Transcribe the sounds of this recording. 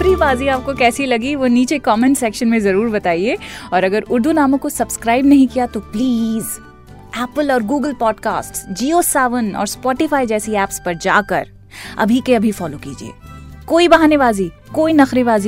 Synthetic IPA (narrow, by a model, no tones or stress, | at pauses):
fɾibaːziaːp̚kokɛːsilɐɡiʋoniːt͡ʃekɔːmẽːnʈsɛːkʃənmẽzɐɾuːɾbɐt̪aːieːɔːɾɐɡəɾʊɾd̪ʱunaːmõkosɐbskɾaːɪbnɐɦĩkijat̪opliːz | ɛːpəlɔːɾɡuːɡəlpɔːɖka̰ːsʈsd͡ʒiːoːsɛːʋənɔ̰ːɾspɔːʈɪfaːid͡ʒɛːsiɛːpspɐɾd͡ʒa̰ːkɐ̰ɾ | ɐ̰bʱikeɐbʱifɔːlokḭːd͡ʒiḛːkoːibɐɦaːneʋaːzi | koːinɐxɾeʋaːzi